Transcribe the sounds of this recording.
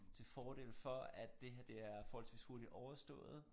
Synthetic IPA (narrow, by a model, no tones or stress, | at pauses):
t͡sʰe̝lfɒːɾ̥e̝̰lfɒ̽æd̥ːe̝ɦæɐd̥e̝æɐfɒːhɒlsʋḭːsho̝ɐɾid̥ɒʊɐsd̥ɔ̰̽ːð̩ˠ